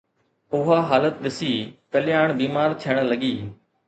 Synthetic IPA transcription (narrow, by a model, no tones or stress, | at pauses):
ʊɦaːɦaːlət̪̚ɗɪsiːkəlɪjaːɳ̃biːmaːɾt̪ʰɪjəɽ̃ləɠiː